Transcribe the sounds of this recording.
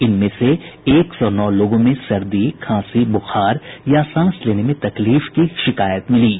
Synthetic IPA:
ɪnmẽseeːksɔːnɔːloːɡõmẽsɐɾd̪ikʰãːsibʊxaːɾjasãːsleːnemẽt̪ɐkliːfkiʃɪkaːjət̪mɪliː

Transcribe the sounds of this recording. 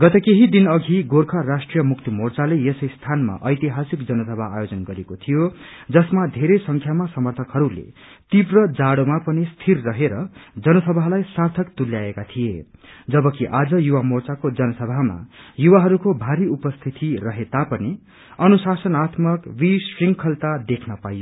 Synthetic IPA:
ɡʌt̪ʌkeɦid̪inʌɡʱiɡorkʰʌrasʈrijʌmuk̚t̪imort͡salejesʌjst̪ʰanma̰ʔʌjt̪iɦasikd͡zʌnʌsʌbʱaa̰jod͡zʌnɡʌɾekot̪ʰijo | d͡zʌsmad̪ʱeɾʌjsʌŋkʰjamasʌmʌrt̪ʰʌkɦʌɾulḛt̪ibrʌd͡zaɽomapʌnist̪ʰirːʌɦeɾʌd͡zʌnʌsʌbʱalajsart̪ʰʌkt̪uljaekat̪ʰijed͡zʌbʌkiʔad͡zʌjuwamort͡sakod͡zʌnʌsʌbʱama̰juwaɦʌɾukobʱaɾiupʌst̪ʰit̪irʌɦet̪apʌni | ʌnusasʌnat̪mʌkbisriŋkʰʌlt̪ad̪ekʰnʌpajo

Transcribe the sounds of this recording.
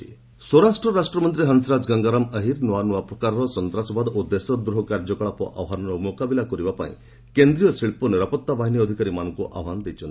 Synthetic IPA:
swɔɾasʈɾɔɾasʈɾɔmɔnt̪ɾiɦənsɾad͡ʒɡaŋɡaɾaməɦiɾnɔwanuapɾɔkaɾɔɾɔsɔnt̪ɾasɔbad̪ud̪ːesɔd̪ɾuɦɔkaɾd͡ʒɔkɔɭapɔʔa̰wɦanɔɾɔmokabilakɔɾibapa̰ḭ̃ | kend̪ɾijɔsiɭpɔneɾɔpɔt̪ːabaɦinjːd̪ʱikaɾimanɔŋkuʔa̰wɦanɔd̪ejt͡ʃʰɔnt̪i̥

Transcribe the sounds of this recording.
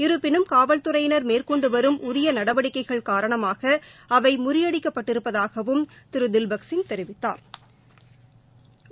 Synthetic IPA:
ɪɾɯpːɪnɯmkaːʋɐlt̪ɯɾɐjnɐɾmeːrkɔɳɖɯʋɐɾɯmʔʊɾɪjɐnɐɽɐʋɐɽɪkːɐɪɣɐɭkaːɾɐɳɐmaːɣɐɐʋɐɪmʊɾɪjɐɽɪkːɐpːɐʈːɪɾɯpːɐðaːɣɐʋɯm | t̪ɪɾɯd̪ɪlbɐksɪnt̪ɛɾɪʋɪt̪ːa̰ːɾ

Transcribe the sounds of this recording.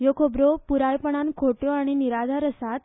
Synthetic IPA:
jokʰobɾopuɾajpəɽ̃ankʰoʈjoaɽ̃iniɾad͡zʱaɾəsat̪̚

